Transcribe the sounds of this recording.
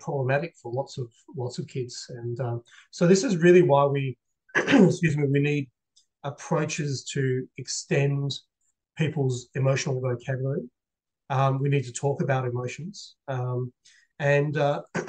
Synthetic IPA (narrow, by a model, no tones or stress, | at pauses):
pʰɹ̥ɑbləmæɾɨkfə˞lɑtsʌv̥lɔtsʌv̥kʰɪdz̥ɨ̃nʌ | soʊðɪsɨzɹɪlˠiwaɪwi | sjʉzɪ̃ŋɨwinid̚ | əpʰɹ̥oʊt͡ʃɪz̥tʰɨɨkstɛ̃n | pʰipl̩ˠzɨmoʊʃn̩l̩ˠivoʊkʰæɾlˠi | ʌwinid̚tʰɨtʰɔkɨbaʊɾɨmoʊʃn̩z̥ʌ̃m | ɨ̃nʌ